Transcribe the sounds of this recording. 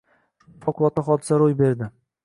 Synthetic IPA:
pʰɒkʊlˠɒt̪aχɒd̪ɪsaɾojbe̞ɾd̪ɪ

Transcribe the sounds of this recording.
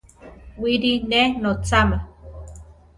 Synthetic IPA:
wiɾinenot͡same

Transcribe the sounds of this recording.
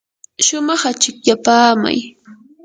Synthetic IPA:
ʃʊmɑχat͡ʃɪkʎapaːma̰j

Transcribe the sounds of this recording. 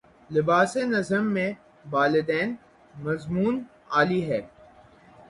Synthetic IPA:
lɪbaːsenɐzəmːẽ | ʋaːlɪd̪ɛːn | mɐzmuːn | aːliɦɛː

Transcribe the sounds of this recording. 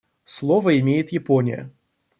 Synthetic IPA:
slˠovəɪmʲejɪt̪jɪponʲɪ̰jə̰

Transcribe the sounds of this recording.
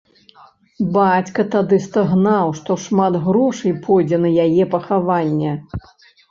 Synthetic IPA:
bat͡sʲkɐt̪ad̪ɨst̪aɣnawʂt̪ɔʂmad̪ɣɾɔʂɐjpʰɔjd͡zʲɛnɐjajɛpɐxavanʲːɛ

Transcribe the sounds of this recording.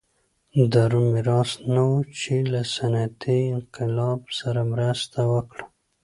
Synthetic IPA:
d̪aɾumɪɾɑsnawut͡ʃelasanat̪ʰiɪnqɪlɑbsaɾamɾast̪awəkɽa

